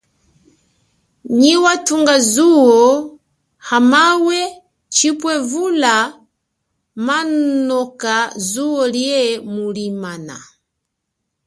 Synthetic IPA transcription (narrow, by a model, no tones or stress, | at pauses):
ɲiwatuŋɡazuɔ | hamawɛ | t͡ʃipwɛvula | mannɔkazuɔliɛmulimana̰